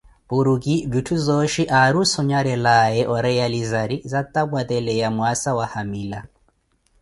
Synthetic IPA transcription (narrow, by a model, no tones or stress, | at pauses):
puɾukʼivitʰuzɔʃiʔaɾusɔɲaɾɛlaɛʔɔɾɛjalizaɾizat̪ʼabwat̪ɛlɛjamwasawahamiːla